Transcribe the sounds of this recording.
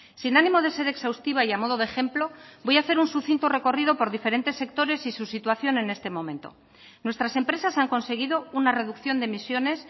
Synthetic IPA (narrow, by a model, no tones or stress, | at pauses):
sinanĩmo̞ðe̞se̞ɾe̞ksawst̪iβ̞aiamo̞ð̞oðe̞xe̞mplo̞bo̞jaθe̞ɾunsuθint̪ore̞ko̞riðo̞po̞ɾðife̞ɾe̞nt̪e̞sːe̞k̚t̪o̞ɾe̞sisusit̪waθjo̞nẽ̞ne̞st̪e̞mõ̞mẽ̞nt̪o̞̰ | nwe̞st̪ɾase̞mpɾe̞sasaŋko̞nse̞ɣ̞iðo̞unare̞ðukθjo̞nd̪e̞misjo̞ne̞s